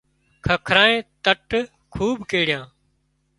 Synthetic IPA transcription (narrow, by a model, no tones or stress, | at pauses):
kʰəkʰɾaːẽːt̪əʈ | kʰuːbkeːɽɪjãː